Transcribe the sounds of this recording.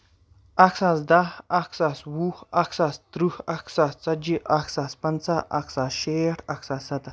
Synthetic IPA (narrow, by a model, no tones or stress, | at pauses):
ɐksaːs̬d̪aɐksaːswuhɐksaːst̪ɾuhɐksaːst͡sɐd͡ʒiʔɐksaːspɐnt͡saʔɐ̰ksaːsʃeːʈʰɐksaːsɐt̪ɐs